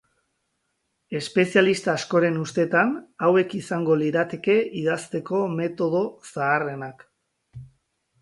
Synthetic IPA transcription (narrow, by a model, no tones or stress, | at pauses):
e̞spe̞sialist̪aːsko̞ɾe̞nust̪e̞t̪anawe̞kisaŋɡo̞liɾat̪e̞ke̞iðast̪e̞ko̞me̞t̪o̞ð̞o̞saːre̞nak